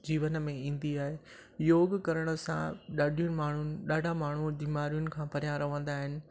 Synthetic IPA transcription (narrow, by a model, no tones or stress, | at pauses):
d͡ʑiːʋənmẽĩːn̆d̪iaːɦe | joːɡkɐɾəɽ̃ə̆sã̰ɗaːɖʱijʊnɪ̆maːɳ̤unɪ̆ɗaːɖʱamaːɳ̤ud̪iːmaːɾijʊnɪ̆kʰãːpɐɾjãɾɐʋə̃nd̪aːɦɪnɪ̆